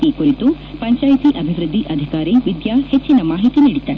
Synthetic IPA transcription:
ekuɾit̪u | pɐɲt͡ʃaːjt̪iʔɐbʱiʋɾɨd̪ʱːiʔɐd̪ʱikaːɾiʋid̪jahet͡ʃːinɐmaːɦit̪iniːɽid̪ːɐ

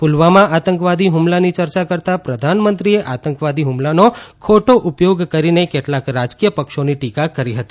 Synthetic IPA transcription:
pulʋamãʔat̪əŋkʋad̪ʱiɦumlanit͡ʃəɾt͡ʃakəɾt̪apɾəd̪ʱanmənt̪ɾieʔat̪əŋkʋad̪ʱiɦumlanokʰoʈoʔupjoɡkəɾinekeʈlakɾad͡ʒkijəpəkʃoniʈikakəɾiɦət̪i̥

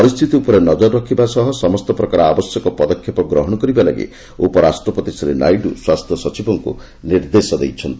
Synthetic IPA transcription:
pɔɾist̪ʰit̪iupɔɾenɔd͡ʒɔɾɔɾɔkʰibasɔɦɔsɔmɔst̪ɔpɾɔkaɾɔabɔsjɔkɔpɔd̪ɔkʰjɔpɔɡɾɔɦɔɽ̃ɔkɔɾibala̰ɡḭ | opɔɾasʈɾɔpɔt̪isɔɾena̰jɖuswast̪ʰjɔsɔt͡ʃibɔŋkṵ | niɾd̪esɔd̪ejt͡ʃʰɔnt̪i

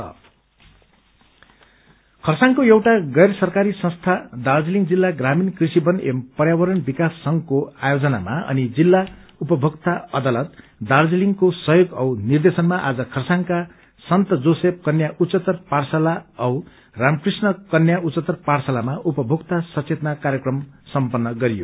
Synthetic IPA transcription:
ʌ̰ | kʰʌrsaŋkoewʈaɡʌjrʌsʌrkaɾisʌ̃st̪ʰad̪ard͡ziliŋɡd͡zilːaɡraminkrisibʌnempʌrjawʌɾʌnbikasːʌŋkoajod͡zʌna̰maʌ̰nid͡zilːaupʌbʱʌkt̪aʌd̪alʌt̪ | d̪ard͡ziliŋkosʌjoɡʌwnird̪esʌnmaʔa̰d͡zʌkʰʌrsaŋka | sʌnt̪ʌd͡zosep̚kʌnjaʔut͡sʌt̪ʌrparsʌlaʌw | ramkrisnʌkʌnjaut͡sʌt̪ʌrparsʌlamaʔupʌbʱokt̪asʌt͡set̪nakaɾjʌkrʌmsʌmpʌnːʌɡʌɾijo̰

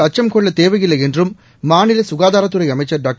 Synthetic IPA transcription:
ɐt͡ʃːɐmkoɭːɐt̪eːʋɐɣilːɐendrɯmː | aːɳilɐsuɣaːðaːɾɐt̪ːɯɾɐjɐmɐt͡ʃːɐɖaːk̚

